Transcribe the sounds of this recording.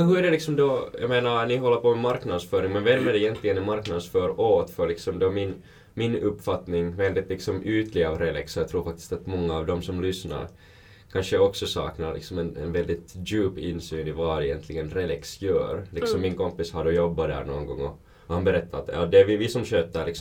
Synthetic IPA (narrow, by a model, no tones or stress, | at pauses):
ɛɦɵɾæɖɛlɪksɔmd̪ɔja̰meːnaɾnɪɦɔlːəɾpʰɔmɛmaɾknad̪sfœːɾɪŋmɛnvɛlmːæɖɪjɛnt̪ʰlɪɡənɛmaɾknad̪sfœːɾoːt̪fœɾɭlɪksɔmd̪ɔmɪn | mɪnɵpːfat̪nɪŋvɛld̪ɪt̪lɪksɔmʔʉːt̪lɪɡaːvɾɛlɛksɔjɑt̪ʰɾuːɾfak̚t̪ɪ̥st̪at̪mɔŋːaːvd̪ɔmsɔmlʏsna̰ɾ | kʰanʂəɔksɔsɑ̰ːknaɾlɪ̰ksɔmɛnɛ̰nvɛld̪ɪt̪dʉːpɪnːsyːnɪvaɾɛjɛnt̪ʰlɪɡənɾɛlɛksjœ̰ːɾlɪkksɔmːɪnkɔmpɪshad̪ɔjɔbːad̪æ̰ːɾɳo̰ːnɡɔ̰ŋːɔ | ɔhanbɛɾɛt̪ʰːat̪ɔd̪ɛvɪvɪsɔmɕøːt̪ːəɭɪksɔ